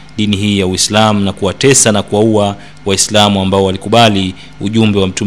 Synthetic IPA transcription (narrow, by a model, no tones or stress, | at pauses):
ɗiniɦiːjawislamunakuwatɛsanakuwaua | waislamuambaɔwalikuɓali | uʄumbɛwam̩tu